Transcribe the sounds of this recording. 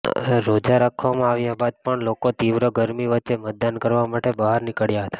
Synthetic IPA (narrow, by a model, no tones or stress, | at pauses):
ɾod͡ʒaɾakʰʋamãaʋjabad̪̚pəɳlokot̪iʋɾəɡəɾmiʋətːt͡ʃemət̪̚d̪ankəɾʋamaʈebəɦaɾnɪkəɽjaɦət̪ḁ